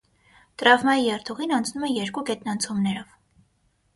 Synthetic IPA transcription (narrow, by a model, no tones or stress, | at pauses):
t̪ɾɑvmɑjijɛrt̪ʰɔʁinɑnt͡sʰnumɛjɛɾkukɛt̪nɑnt͡sʰɔmnɛɾɔv